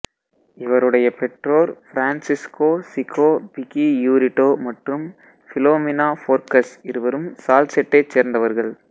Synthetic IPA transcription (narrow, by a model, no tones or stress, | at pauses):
ɪʋɐɾɯɽɐjɐpɛʈroːɾfɾaːnsɪskoːsɪkʰːoːbɪkijuːɾɪʈːoːmɐʈrɯm | fɪloːmɪnaːfoːɾkɐsɪɾɯʋɐɾɯmsaːlsɛʈːɐɪt͡ʃːeːɾnd̪ɐʋɐɾɣɐɭ